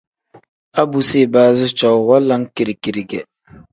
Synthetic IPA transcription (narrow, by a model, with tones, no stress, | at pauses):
a˦bu˨se˦˨baː˦zɪ˦t͡ʃɔ˨wwa˦la˦ŋki˨ɾi˨ki˨ɾi˨ɡɛ˨